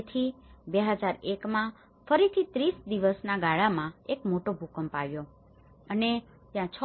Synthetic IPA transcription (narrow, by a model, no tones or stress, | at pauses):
t̪ʰibeɦəd͡ʒaɾekmã | fəɾit̪ʰit̪ɾisd̪iʋəsnaɡaɭamãekmoʈobʱukəmpaʋjo | əne | t̪jãt͡ʃʰ